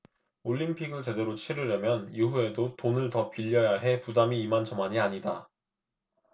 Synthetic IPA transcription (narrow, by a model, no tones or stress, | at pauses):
oʎːimpʰiɡɯɭt͡ɕe̞de̞ɾot͡ɕʰiɾɯɾjʌmjʌnuɦue̞dotonɯɭtʌpiʎːʌjaɦe̞pudamiːmand͡ʑʌmaɲiaɲida